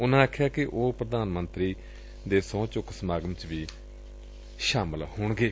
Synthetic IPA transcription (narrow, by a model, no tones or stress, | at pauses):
ʊnãːakʰjaːkɪʔoːpɾəd̪aːnmə̃nt̪ɾiː | d̪eːsɔ̃ːt͡ʃʊksmaːɡəmt͡ʃʋiː | ʃaːməlhʊːɳɡeː